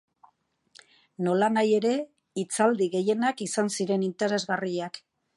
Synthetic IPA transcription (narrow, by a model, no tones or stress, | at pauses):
no̞lanaje̞ɾe̞ | it͡sald̪iɣe̞je̞nakisansiɾe̞nint̪e̞ɾe̞zɣariak